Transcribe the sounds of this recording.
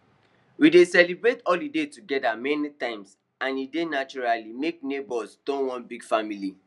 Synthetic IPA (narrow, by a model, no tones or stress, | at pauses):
widesɛlibɹetɔldidetuɡɛdamɛnitãɪ̃ms | ãnidenat͡ʃuɹalimek̚nebɔsdõnwɔ̃nbiɡ̥famili